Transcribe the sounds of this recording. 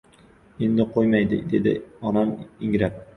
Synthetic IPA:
e̞nd̪ɪqʰojmajd̪ɪ̰d̪e̞d̪ɪ̰ɒnamɪŋɾap̚

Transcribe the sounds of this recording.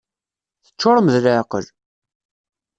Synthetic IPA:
θə̥t͡ʃːʊɾˤəməðlaʕqə̰l

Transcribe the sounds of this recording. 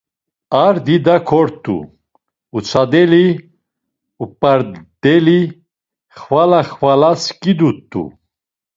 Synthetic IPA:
aɾd̪id̪akʰɔɾt̪ʼṵː | t͡sʰad̪ɛli | upʼaɾd̪ɛli | χvalaχvalaskʼid̪ut̪ʼːṵ

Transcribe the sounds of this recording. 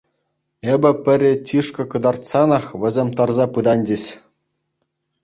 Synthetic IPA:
ebʲɘ̆pʲɘ̆rʲet͡ɕʲiʂkɤ̆kɤ̆d̪ɑrt̪sɑnɑχʋʲɘ̆zʲemʲt̪ɑrzɑpɯd̪ɑnʲd͡ʑʲɘ̆ɕʲ

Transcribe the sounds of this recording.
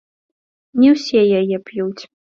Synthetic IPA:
nʲɛwsʲɛjajɛpjuwt͡sʲ

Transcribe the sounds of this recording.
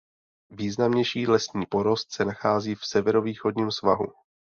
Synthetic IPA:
viːznamɲɛjʃiːlɛsɲiːpoɾo̞st̪sɛnaxaːziːfsɛvɛɾo̞viːxo̞dɲiːmsva̰ɦṵ

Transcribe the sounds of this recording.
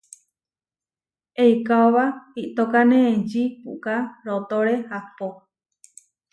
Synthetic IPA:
ejkaoβaiʔt̪okanẽːd͡ʒipṵkaɾot̪oɾehapo

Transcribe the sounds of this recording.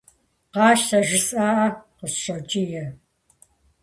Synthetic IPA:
qɑːʃsɐʒɪsʼaːʔɐqəsɕɐt͡ʃʼijɛ

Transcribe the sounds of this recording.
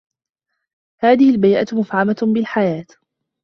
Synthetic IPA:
haːðɪhɪlbajʔa̰t̪mʊfʕamabɪlħajaːt̪

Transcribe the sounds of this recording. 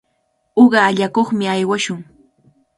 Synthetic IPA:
oɢɑːʎakoχmɪajwaʃʊŋ

